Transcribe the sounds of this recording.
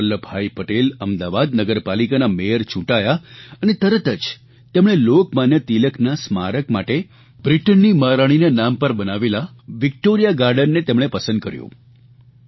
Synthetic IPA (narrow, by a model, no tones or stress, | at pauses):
əlːəbʱaipəʈeləmd̪aʋad̪nəɡəɾpalikanamejəɾt͡ʃʰũʈajaənet̪əɾət̪əd͡ʒ | t̪emɽ̃elokmanjət̪iləknasma̰ɾəkmaʈe | bɾiʈənːimaɾaɽ̃inanampəɾbənaʋelaʋɪk̚ʈoɾijaɡaɾɖənːet̪emɽ̃epəsənd̪̚kəɾjṵ̃